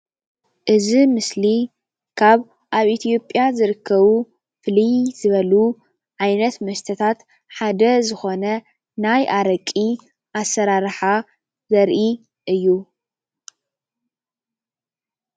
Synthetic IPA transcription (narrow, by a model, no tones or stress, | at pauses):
ʔɨzimɨsli | kʰaβ | ʔaβʔit̪ʰjo̞pʼjazɨɾɨkʰːɐβu | fɨlijzɨβɐlu | ʕajnɐt̪mɐst̪ʰɐt̪ʰat̪ | ħad̪ɐzɨxo̞nɐ | najʔaɾɐkʼi | ʔasɐɾaɾħa | zɐɾʔi | ʔɨjːu